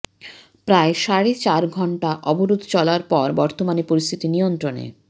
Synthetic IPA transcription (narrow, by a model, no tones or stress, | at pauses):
pɾaeʃaɾet͡ɕaɾɡʱɔɳʈaʔɔboɾud̪ʱt͡ɕɔlaɾpɔɾbɔɾt̪omanipoɾist̪ʰit̪iniont̪ɾonḛ